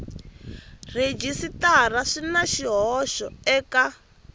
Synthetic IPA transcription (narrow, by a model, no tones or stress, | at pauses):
red͡ʒisitaraʂinaʃiɦɔʃɔɛːka